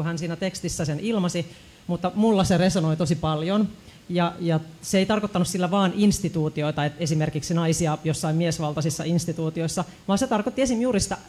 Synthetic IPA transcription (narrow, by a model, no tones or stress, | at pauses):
uhænsiːnæt̪ekst̪isːæsenilmɑsi | mut̪ːɑmulːɑseresonoit̪osipɑljon | jɑjɑseeijt̪ɑrkot̪ːɑnusilːæʋɑːnʔinst̪it̪uːt̪io̞it̪ɑet̪esimerkiksinɑisiɑjosːɑimmiesʋɑlt̪ɑsisːɑinst̪it̪uːt̪ioisːɑ | ʋɑːnset̪ɑrkot̪ːiesimjuːɾisi̥t̪æ